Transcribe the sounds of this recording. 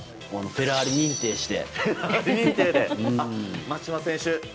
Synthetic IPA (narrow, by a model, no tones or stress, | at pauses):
koanope̞ɾaːɾʲiɲ̟ĩnt̪e̞ːɕi̥t̪e̞̰ɾaɾʲiɲĩnt̪eːd̪eɯ̃amat͡ɕimasẽɰ̃ɕɨ